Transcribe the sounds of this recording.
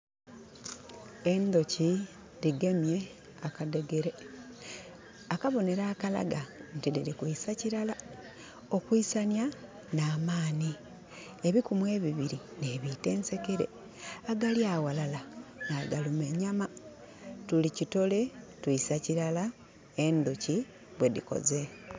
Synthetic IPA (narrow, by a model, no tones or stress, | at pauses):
e̞nd̪o̞ci | diɡe̞mje̞ | akade̞ɡeɾe̞ | akaβo̞ne̞ɾaːkala̰ɡantidiɾikuisaciɾala | o̞kwisanja | naːmaːni | eβikumwe̞ːβiβiɾineβiːte̞ːnse̞keɾe̞̰ | aɡaljaːwalalanaɡalumeɲama | tulicito̞le̞twuisaciɾala | e̞nduci | βwe̞dḭko̞̰ze̞